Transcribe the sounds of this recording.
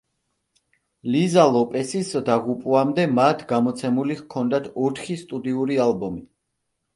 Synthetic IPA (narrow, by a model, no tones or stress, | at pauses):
lizalˠɔpʼɛsisd̪aʁupʼuamd̪ɛmat̪ʰɡamɔt̪sʰɛmuliɣkʰɔnd̪at̪ʰɔt̪ʰχist̪ʼud̪iuɾialbɔmi